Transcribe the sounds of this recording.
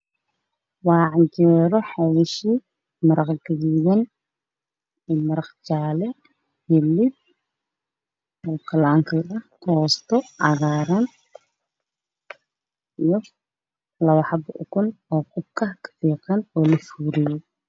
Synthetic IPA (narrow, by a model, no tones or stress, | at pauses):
wɑːʕɑd͡ʒɛːɾɔħɑwɪʃi | mɐɾɐqɡɐɣɪjɐn | iːmɐɾɐqt͡ʃaːlɛ | hɛlɪd̪̚ | ɔːkʰɐlaːŋkʰɐʔɐht̪ʰɔːst̪ʰɔʕɑɣaːɾɐn | ijɔ | lɐwɑħɑbʊ̰kʊnɔːqʊb̚kʰɐkʰɐ̥fiːqɐnɔːlɐfuːɾɪjɔ